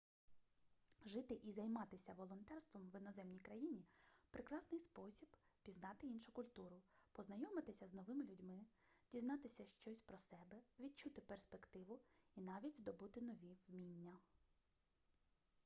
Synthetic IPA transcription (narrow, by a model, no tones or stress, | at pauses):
ʒɪt̪ɪʔizɐjmɑt̪ɪsʲɐʋɔlˠɔnt̪ɛrst̪ʋɔmʋɪnɔzɛmnʲijkɾɐjinʲipɾʔɪkɾɑsnɪjspɔsʲib | pʲiznɑt̪ɪinʃʊkʊlʲt̪uɾʊpɔznɐjɔmɪt̪ɪsʲɐznɔʋɪmɪlʲʊdʲmɪ | dʲiznɑt̪ɪsʲɐʃt͡ʃɔsʲpɾɔsɛbɛʋʲid̪̚t͡ʃut̪ɪperspe̞kt̪ɪʋʊinɑʋʲidʲd̪ɔbut̪ɪnɔʋʲiʋmʲinʲːɐ